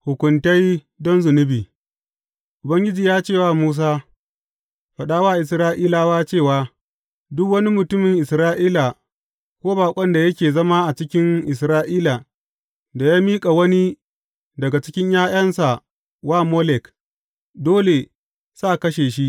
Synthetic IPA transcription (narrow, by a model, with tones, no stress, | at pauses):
hʊ˨kʷʊ˨nta˦j | dɔ˦nzʊ˨nʊ˦biː˨ | ʔʊ˨bɐ˦ŋɡʲɪ˦d͡ʒiː˨jaː˦t͡ʃeː˦˨waː˦muː˦s̬aː˦ | ɸɐ˨ɗaː˦waː˦˨ʔɪ˨sɾaː˦ʔiː˦la˨waː˦t͡ʃeː˦˨waː˦ | dʊ˦kwɐ˦ni˦mʊ˨tʊ˦mɪ˨ŋʔɪ˨sɾaː˦ʔiː˦la˨ | kʷoː˦baː˨kʷʼɔ˦nda˨jɐ˦kʲeː˨zɐ˦ma˦ʔa˨t͡ʃɪ˦kʲɪ˦ŋʔɪ˨s̬ɾaː˦ʔiː˦la˨ | da˨jaː˦miː˦kʼa˨wɐ˦ni˦ | dɐ˨ɡa˨t͡ʃɪ̥˦kʲɪ˦ɲjaː˦j̰ɐ˦nsa˨ | waː˦moː˦lɛ˨k | doː˦le˨ | sa˦ʔkɐ˦ʃeː˨ʃ̬i˦ʔ